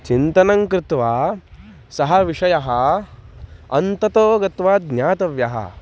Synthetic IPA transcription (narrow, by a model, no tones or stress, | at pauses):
t͡ʃint̪ɐnɐŋkɾɪt̪ʋaː | sɐɦɐʋiʂɐjɐɦɐ | ɐ̰nt̪ɐt̪oːɡɐt̪ʋaːd̪njaːt̪ɐʋjɐɦɐ̰